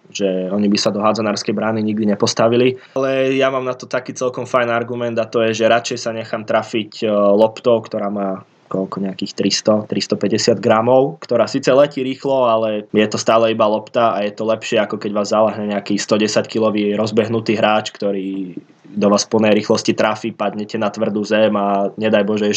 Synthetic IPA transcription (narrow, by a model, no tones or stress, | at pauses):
ʒ̥ɛɔɲibisad̪ɔɦad͡zɔnaːɾskɛjbɾaːniɲiɡ̚d̪iɲɛpɔst̪aʋilialɛjamaːmnat̪ɔt̪akiːt͡sɛlkɔmfajnaɾɡumɛnd̪at̪ɔjɛʒɛɾat͡ʃɛjsaɲɛxamt̪ɾaficlɔpt̪ɔʊkt̪ɔɾaːmaː | kɔlkɔɲɛakiːxt̪ɾist̪ɔt̪ɾist̪ɔpɛɟɛsɪad̪ɡɾamɔʊkt̪ɔɾaːsiːt͡sɛlɛciːɾiːxlɔalɛjɛt̪ɔst̪aːlɛibalɔpt̪aajɛt̪ɔlɛpʃɪɛakɔkɛɟʋaːzːalaɦɲɛɲɛakiːst̪ɔɟɛsackilɔʋiːɾɔzbɛɦnut̪iːɦɾaːt͡ʃkt̪ɔɾiː | d̪ɔʋaːsfpl̩ˠnɛjɾiːxlɔscit̪ɾafipad̪ɲɛcɛnat̪ʋr̩d̪uzɛmaɲɛd̪ajbɔʒɛɛ